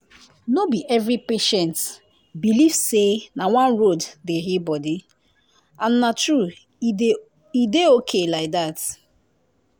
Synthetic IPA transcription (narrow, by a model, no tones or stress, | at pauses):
nobiʔɛvɾipeʃɛ̃nt | bilivsenawãnɹoddeɦibɔdi | ãnːatɹu | ideokʰelaɪk̚dat